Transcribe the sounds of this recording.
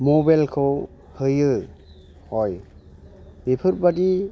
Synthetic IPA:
mɔbalkʰɯw | hɯjɯ | hɔj | bepʰɯɾbadi

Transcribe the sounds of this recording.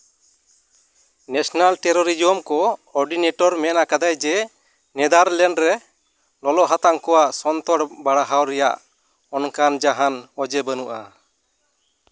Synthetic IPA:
nɛsnalʈɛɾɔɾid͡ʒiɔmkɔɔɾɖinɛʈɔɾmɛnakad̪ajd͡ʒɛ | nɛd̪aɾlɛɳɖɾɛ | lɔlɔʔɦat̪aŋkɔwaʔsɔnt̪ɔɽbaɽaɦawɾɛja̰ʔ | ɔnkand͡ʒaɦanɔd͡ʒɛbənuʔa̰

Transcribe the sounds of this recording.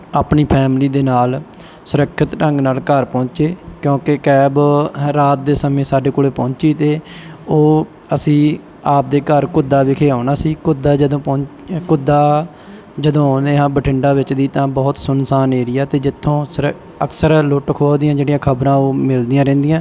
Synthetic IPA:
aːpɳiːpʰɛːmliːd̪eːnaːl | sʊɾəkʰːət̪ʈə̃ŋɡnaːlkəɾpɔ̃ːt͡ʃeːkjõːkekɛːbɾaːt̪̚d̪eːsəmẽːsaːɖeːkoːleːpɔ̃ːɲt͡ʃiːt̪eːoː | əsĩː | aːp̚d̪eːkəɾkʊd̪ːaːʋɪkʰeːaːnaːsiːkʊd̪aːd͡ʒəd̪õːpɔ̃ː | kʊd̪ːaː | d͡ʒəd̪õːɦaːneːɦãːbəʈʰɪɳɖaːʋɪt͡ʃd̪iːt̪ãːbɔːt̪sʊnsaːneːɾɪjaːt̪eːd͡ʒɪt̪ʰːõːsɾ | əksəɾlʊʈkʰoːd̪ɪjãːd͡ʒeːɽijãːkʰəbɾãːoːmɪld̪iːãːɾɛ̃ːnd̪ijãː

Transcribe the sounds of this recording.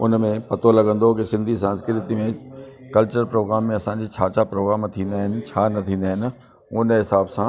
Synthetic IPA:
ʊ̰nmẽpɐt̪olɐɡə̃n̆d̪okɪsɪ̃nd̪ʱis̬ãːnskɾɪt̪imẽ | kɐlt͡ɕəɾpɾoːɡɾaːmːẽɐsãːɲd͡ʑiːt͡ɕʰaːt͡ɕapɾoːɡɾaːmt̪ʰĩːnd̪aːɦɪnɪ̆t͡ɕʰaːnɐt̪ʰĩːn̆d̪aːɦɪnɪ̆ | ʊnɦɪsaːbsã

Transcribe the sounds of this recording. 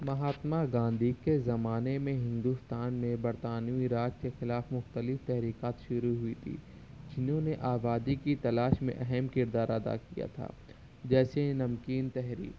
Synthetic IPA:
mɐɦaːt̪maɡãːnd̪ʱikezɐmaːnemẽɦɪ̃nd̪ust̪aːnmẽbɐɾt̪aːnjuiɾaːd͡ʒkexɪlaːfmʊxt̪əlɪft̪ɛɦɾiːkaːt̪ʃʊɾuɦʊit̪ʰḭː | d͡ʒɪnɦõneʔaːbaːd̪ikit̪ɐlaːʃmḛ̃ʔɛɦɛmkɪɾd̪aːɾɐd̪a̰kija̰t̪ʰa̰ː | d͡ʒɛːsenɐmkiːnt̪ɛɦɾḭːk

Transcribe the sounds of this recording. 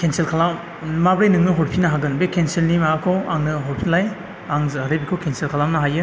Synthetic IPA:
kʰenselkʰalam | mabɾajnɯŋnɯɦɔɾpʰinaɦaɡɯnbekʰenselnimaakʰɔaŋnɯɦɔɾpʰilaj | aŋzhaɾebikʰɔkʰenselkʰalamnaɦajɯ

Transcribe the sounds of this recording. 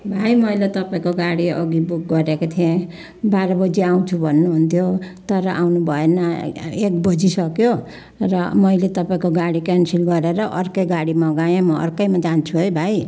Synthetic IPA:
bʱajmʌjlet̪ʌpaĩkoɡaɽiʌ̰ɡibuk̚ɡʌɾekot̪ʰiẽ | baɾʌbʌd͡ziaw̃t͡sʰubʱʌnːuɦunt̪ʰjot̪ʌɾʌʔa̰wnubʱʌenʌek̚bʌd͡zisʌkjo | rʌmʌjlet̪ʌpaĩkoɡaɽikansilɡʌɾeɾʌʔʌrkʌjɡaɽimʌɡajẽmʌʌ̰rkʌjmad͡zant͡sʰuɦʌjbʱaj

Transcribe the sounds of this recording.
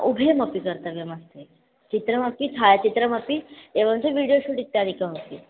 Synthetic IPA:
ubʱeməpikəɾt̪əʋjeməst̪e | t͡ɕit̪ɾəməpit̪ʰajt͡ɕit̪ɾəməpieʋəmt͡seʋiɽijoɕuʈit̪ːaɽikaɦot̪i

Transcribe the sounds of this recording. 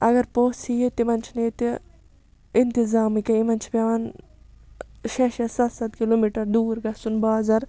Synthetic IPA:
ɐɡɐɾpoːsijet̪imɐnt͡ʃʰneːt̪i | ɪnt̪izaːmikɐimɐnt͡ʃʰpaʋan | ʃeːʃɐsɐt̪sɐt̪kiloːmiːʈɐɾd̪uːɾɡɐsunbaːzɐɾ

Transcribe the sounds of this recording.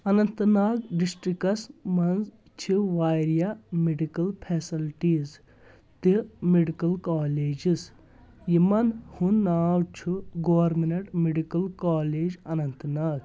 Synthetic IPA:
ɐnɐnt̪naːɡɖisʈɾikɐsmɐnz | t͡ʃʰiʋaːjɾijameɖikɐlpʰeːsilʈiːz | t̪imeɖikɐlkaːleːd͡ʒis | jimɐnhunːaːwt͡ʃʰuɡoːɐɾminɐʈmeɖikɐlkaːleːd͡ʒɐnɐnt̪naːɡ

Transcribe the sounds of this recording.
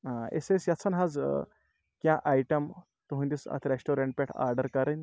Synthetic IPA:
ãḛsesjatt͡sʰənɦad͡z | kjãʔajʈəm | t̪uɦũnd̪isa̰t̪ʰɾesʈoɾeɳʈ̚peʈʰa̰ɾɖəɾkəɾən

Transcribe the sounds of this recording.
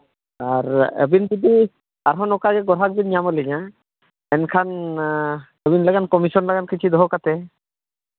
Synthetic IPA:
aɾḛbind͡ʒid̪i | aɾɦɔnɔkaɡɛɡɔɾɦak̚binamɔlɛɲa | ɛnkʰan | ɛbinlaɡankɔmisɔnlaɡankit͡ʃʰid̪ɔɦɔkat̪ɛ

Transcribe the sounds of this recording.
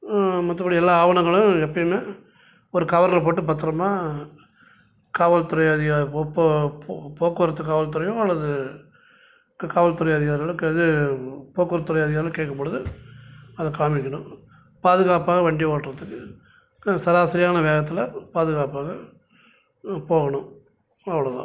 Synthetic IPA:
mɐt̪ːɐpːɐɽiɛlːaːaːʋɐɳɐŋɡɐɭʊ̃ɛpːɐjɯmeː | ɔɾɯkɐʋɐɾɐlɐp̬oːʈːɯbɐt̪ːɾɐmaː | kaːʋɐlt̪ʊɾɐjaːðɪɣap | poːkːɯɐɾɐt̪ːɯkːaːʋɐlt̪̬ʊɾɐjoːɐlːɐðɯ | kkaːʋɐlt̪ʊɾɐjaːðɪɣaːɾɣɐɭɯkːɯɛðɯpoːkɯɾɐt̪ʊɾɐjaːðɪɣaːlɐkeːʈkːɐpːɐɽɯðɯ | ɐðɐkaːmɪkʲːɐɳʊ̃ | paːðɯɣaːpaːɣɐʋɐɳɖɪjoːʈːɾɐt̪ːɯkːɯ | sɐðaːsɐɾɪjaːnɐʋeːɣɐt̪ːɪlɐpaːðɯɣaːpaːɣɐ | poːɣɐɳʊ̃ | ɐʋːɐɭɐðã̰

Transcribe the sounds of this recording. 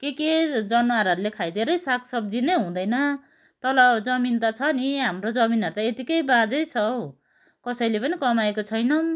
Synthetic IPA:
keked͡zʌnoaɾɦʌɾulekʰajd̪eɾʌjsakʰsʌb̚d͡zineɦũd̪ʌjnʌ | t̪ʌlʌbd͡zʌmint̪at͡sʰʌniɦamrod͡zʌminɦʌɾut̪aet̪ikʌjbãd͡zʌjt͡sʰʌw | kʌsʌjlepʌnikʌmaekot͡sʰʌjnʌ

